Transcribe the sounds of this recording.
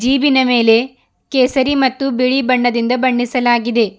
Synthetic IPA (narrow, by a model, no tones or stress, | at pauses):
d͡ʒiːbinɐme̞ːle̞ | keːsɐɾimɐt̪ːubiɭibɐɳːɐd̪ind̪ɐbɐɳːisɐlaːɡid̪e̞